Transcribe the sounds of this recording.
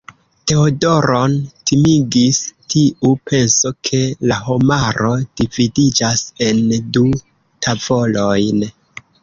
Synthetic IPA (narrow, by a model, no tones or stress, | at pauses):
te̞odo̞ɾo̞ntʰimiɡistʰiʔupʰe̞nso̞kʰe̞laɦo̞maɾo̞d̥ividid͡ʒase̞ndu | tʰavo̞lo̞jn